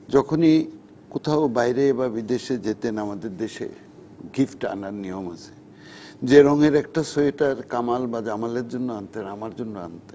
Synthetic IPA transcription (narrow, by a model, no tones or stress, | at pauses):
d͡ʑɔkʰoni | kot̪ʰaobajɾeebabid̪eʃed͡ʑet̪enamad̪eɾd̪eʃḛ | ɡifʈa̰naɾnijoma̰t͡ɕʰe̥ | d͡ʑeɾɔŋeɾɛk̚ʈasoeʈaɾkamalbad͡ʑamaleɾd͡ʑonːoant̪enamaɾd͡ʑonːoa̰nt̪e